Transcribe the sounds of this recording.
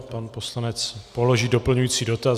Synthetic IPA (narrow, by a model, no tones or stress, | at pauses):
panpo̞slanɛt͡spolo̞ʒiːdo̞pl̩ɲujiːt͡siːdo̞t̪a